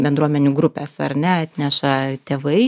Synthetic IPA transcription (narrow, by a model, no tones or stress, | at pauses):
bʲɛnd̪ɾuɔmʲɛnʲʊɡɾʊpʲɛsɐɾnʲɛɐt̪ʲnʲɛʃɐt̪ʲeːʋɐɪ